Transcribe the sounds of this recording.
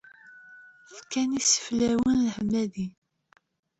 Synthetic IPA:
lkænisə̥flæwənləħmːæði

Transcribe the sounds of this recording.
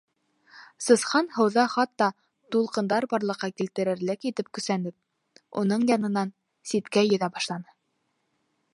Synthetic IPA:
sɤ̆sχɑnhɤ̆wðɑχɑt̪ːɑ | t̪ulˠqɤ̆nd̪ɑɾbɑɾlˠɤ̆qːɑkilt̪ɘ̆ɾɘ̆ɾlɘkit̪ɘp̚kɵ̆sænɘp̚ | ṵnɤɴjɑnɤ̆nɑn | sit̪kæjɵ̆ðæbɑʃlˠɑnɤ

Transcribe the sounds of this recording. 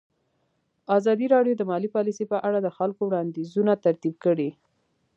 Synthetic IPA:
ɑzɑd̪iɾɑɖjod̪əmɑlipɑlisepəʔaɽad̪əxalkowɽɑnd̪izunat̪aɾt̪ib̚kəɽi

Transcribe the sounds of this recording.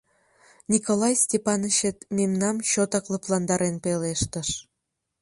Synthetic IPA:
nʲikolˠɑjsʲtʲepɑnəɕĕt̪mʲemnɑmɕot̪ɑklˠɤ̆plˠɑnd̪ɑɾenpeleʃt̪ə̆ʃ

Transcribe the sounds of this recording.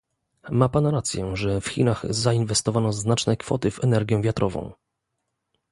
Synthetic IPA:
mapanɾat̪sʲjɛʐɛfxʲḭnaxzainvɛst̪ɔvanɔznat͡ʂnɛkfɔ̰t̪ɘvɛnɛɾɡʲjɛvʲjat̪ɾʔɔvɔ̰̃w̃

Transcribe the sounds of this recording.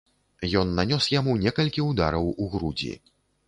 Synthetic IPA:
jɔnːanʲɔsjamunʲɛkɐlʲkʲiud̪aɾɐwuɣɾud͡zʲḭ

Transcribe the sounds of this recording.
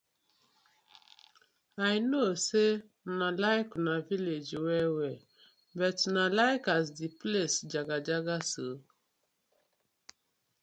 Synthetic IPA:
ajinose | nalajkunaviled͡ʒiwɛwɛ | bɛtnalajkas̬diplesd͡ʒaɡad͡ʒaɡasə

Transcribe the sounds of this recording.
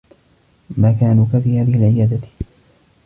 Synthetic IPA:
maːkaːnuːkafiːhaːðɪhɪlʕɪjaːd̪a

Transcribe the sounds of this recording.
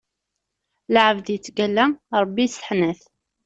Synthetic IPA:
lʕəvðjət͡sːɡælːæɾˤəbːisə̥ħnæθ

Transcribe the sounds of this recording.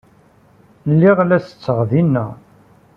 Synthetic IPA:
lːiʁlæsə̥t͡sːəʁðinːæ

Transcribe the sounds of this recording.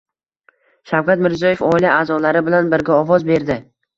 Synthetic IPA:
ʃawkʲat̪mɪɾzijɒje̞fɒɪlaaːzɒlaɾɪbɪlanbɪɾɡʲaɒvɒzbe̞ɾd̪ɪ

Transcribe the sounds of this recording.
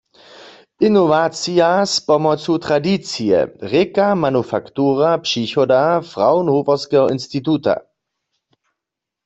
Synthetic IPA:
ʔinɔvat͡sijaspɔmɔt͡sut̪ʁadit͡sijɛ̰ʁekamanufakt̪uːʁapʂiçɔdafʁawnɦupɔʁskɛɦɔinst̪it̪uta̰

